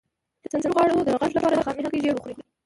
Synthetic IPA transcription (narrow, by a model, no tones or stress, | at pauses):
d̪̥ət̪anzamɣwɑɽod̪əɣaʒlapɑɾaxɑmiɦakeʒeɾuxɾixɾi